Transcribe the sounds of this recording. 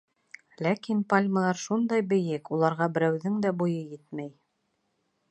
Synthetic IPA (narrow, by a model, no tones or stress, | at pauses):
lækinpalʲməlˠɑɾʃund̪ɑjbɘ̆jɘkulˠɑɾʁɑbɘ̆ɾæwðɘŋd̪æbujɤjɘt̪mæj